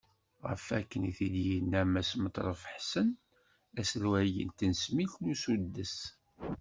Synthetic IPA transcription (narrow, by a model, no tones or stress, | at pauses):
ʁə̰fækːəniθid̪jənːæmæsmət̪ˤɾˤəfəħsən | æsəlwæjə̰nt̪ənsmiθlusud̪ːəs